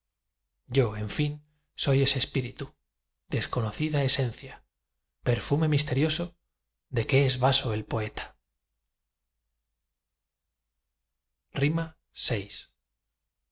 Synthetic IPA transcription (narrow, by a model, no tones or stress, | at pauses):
ɟ͡ʝo̞e̞ɱfin | so̞je̞sespiɾit̪u | d̪e̞sko̞no̞θiðae̞se̞n̟θja | pe̞ɾfume̞mis̬t̪e̞ɾjo̞so̞ | ðe̞ke̞ezβasoe̞lpo̞e̞t̪ḁ | rima | se̞js